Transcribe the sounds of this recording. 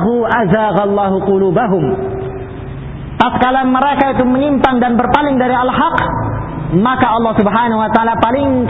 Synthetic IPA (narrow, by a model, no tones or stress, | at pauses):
ɦuʔazaːɣalˤːɑːɦuqʊluːbaɦʊm | paskalanməɾekait̪uməɲimpaŋdanbərpalɪŋdaɾialɦɑq | makaɑlːɑhsubɦanaɦuwat̪aaːlapalɪŋ